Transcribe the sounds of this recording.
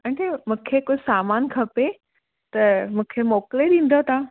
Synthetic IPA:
ɐʈemũːkʰekoːsaːmaːnkʰɐpe | t̪ɐmũːkʰemɔːkleɗĩːn̆d̪ot̪ã

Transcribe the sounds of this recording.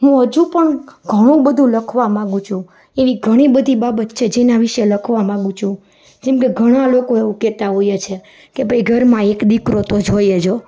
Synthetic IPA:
ɦũɦəd͡ʒũpəɳɡʱəɽ̃ũbəd̪ʱũləkʰʋamãɡũt͡ʃʰũ | eʋiɡʱəɽ̃ibəd̪ʱibabət̪t͡ʃʰed͡ʒenaʋiʃeləkʰʋamãɡũt͡ʃʰũ | d͡ʒɛmkeɡʱəɽ̃alokoeʋũkɛt̪aɦojet͡ʃʰe | kebʱəiɡʱəɾmãekd̪ikɾot̪od͡ʒojed͡ʒo

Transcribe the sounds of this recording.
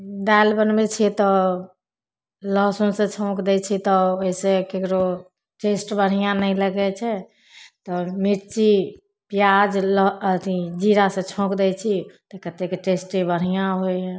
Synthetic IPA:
d̪albənmet͡ʃʰɛt̪ɔ | ləsõsẽt͡ʃʰõkd̪ɛt͡ʃʰit̪ɔoɦisekekɾo | ʈesʈbəɽ̤ijãnəiləɡɛt͡ʃʰɛ | t̪ɔmiɾt͡ʃi | pijad͡ʒlɔt̪id͡ʒiɾasẽt͡ʃʰõkd̪ɛt͡ʃʰit̪ɔkət̪ekʈesʈibəɽ̤ijãɦojɦɛ̃

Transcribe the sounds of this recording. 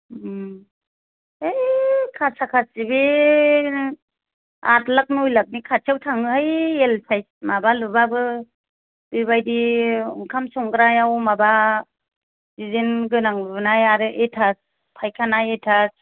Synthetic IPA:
ejkʰasakʰasibe | a̰tlak̚nɯujlak̚nikʰat͡ʃʰawtʰaŋɯhajelpʰajsmabalubabɯ | bibajdiɯŋkʰamsɔŋɡɾajawmaba | zizinɡɯnaŋɯbɯnajaɾɯʔetʰas | pʰajkʰanajetʰas

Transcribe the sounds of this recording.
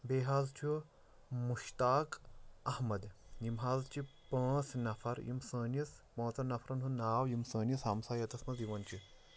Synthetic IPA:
beːɦaːzt͡ʃʰu | muʃt̪aːkɐhmɐd̪jimɦaːzt͡ʃipə̃ːsnɐfʰɐɾjḭmsəːnɐspɐ̃ːt͡sɐnɐfʰɾɐnɦunaːwjimsəːnjisɐmsaːjɐt̪ɐsmɐziʋɐnt͡ʃi

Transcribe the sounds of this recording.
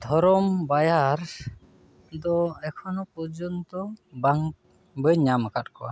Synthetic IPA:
d̪ʱɔɾɔmbajaɾ | d̪ɔɛkʰɔnɔpɔɾd͡ʒɔnt̪ɔbaŋ | bəɲamakatkɔwa̰

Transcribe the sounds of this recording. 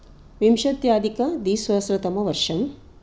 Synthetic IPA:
ʋimʃɐt̪jaːd̪ikɐd̪iːsʋɐsɾɐt̪ɐmɐʋɐɾʂɐm

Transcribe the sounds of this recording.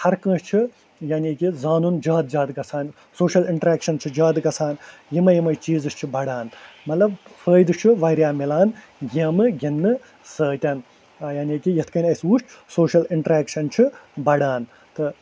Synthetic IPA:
hɐɾkɐ̃ːʃt͡ʃʰi | jaːnʲiːkizaːnund͡ʒaːd̪̚d͡ʒaːd̪ɡɐsʰaːn | soːʃɐliɳʈɾeːkʃɐnt͡ʃʰid͡ʒaːd̪ɡɐsʰaːnjimɐjimɐjt͡ʃiːzɨʃt͡ʃʰibɐɽaːnmɐt̪lɐbfʰəːjd̪ɨt͡ʃʰiʋɐjɾʲjaːmilaːn | jimɨɡʲinːɨ | səːt̪ʲɐn | jaːnʲiːkijɐt̪ʰkɐnʲɐsuːʃsoːʃɐliɳʈɾaːkʃɐnt͡ʃʰibɐɽaːn | t̪ɨ

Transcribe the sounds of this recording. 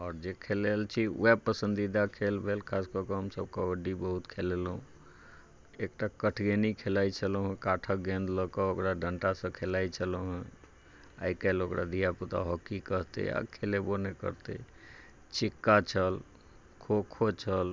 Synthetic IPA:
ɔːɾd͡ʒekʰelelt͡ʃʰiṵɛpəsə̃nd̪id̪akʰelbʱelkʰaskəɾkəɦəmsəb̚kaəɖibəɦut̪kʰelelɦṵ̃ | ek̚ʈakəʈʰɡenikʰelait͡ʃʰəloɦũkaʈʰəɡẽnd̪ləkəokɾaɖʱəɳʈasə̃kʰelait͡ʃʰəloɦɛ̃ | a̰ikelokɾad̪ijaput̪a̰ɦɔkikəɦt̪ḛa̰kʰelebonekə̰ɾt̪ḛ | t͡ʃikːat͡ʃʰəl | kʰokʰot͡ʃʰəl

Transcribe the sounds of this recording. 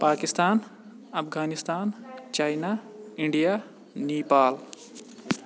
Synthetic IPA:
paːkist̪aːn | ɐpʰɡaːnist̪aːnt͡ʃaːjnaːɪɳɖijaː | neːpaːl

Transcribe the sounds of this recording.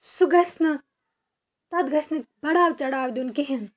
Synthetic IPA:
suɡɐsnɐ | t̪ɐd̪ɡɐsnɐbɐɽaːwt͡ʃɐɽaːwd̪unkiɦin

